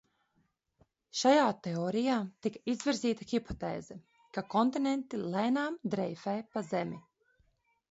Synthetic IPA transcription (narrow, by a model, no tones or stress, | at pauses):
ʃajaːt̪eɔːɾijaːt̪ikaizviɾzʲiːt̪axipɔt̪eːzɛ | kakɔnt̪inent̪ilˠɛjnaːmd̪ɾɛjfɛjpazɛmi